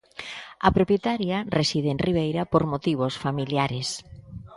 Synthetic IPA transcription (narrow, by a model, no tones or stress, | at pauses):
ɐpɾopjet̪aɾjaresiðeenriβ̞ejɾapoɾmot̪iβ̞osfamiljaɾes